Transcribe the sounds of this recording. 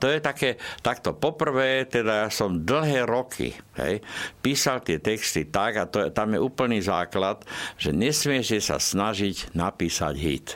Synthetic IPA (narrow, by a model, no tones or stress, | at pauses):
t̪ɔjɛt̪akɛːt̪akt̪ɔpɔpr̩ʋɛːt̪ɛd̪ajasɔmd̪l̩ɦɛːɾɔkʰḭɦɛ̰jpiːsalt̪ɪɛt̪ɛkst̪it̪aɡat̪ɔt̪amjɛʔuːpl̩niːzaːklat̪ʒ̥ɛɲɛsmɪɛʃɛsa̰snaʒiɟnapiːsa̰ɟɦḭt̪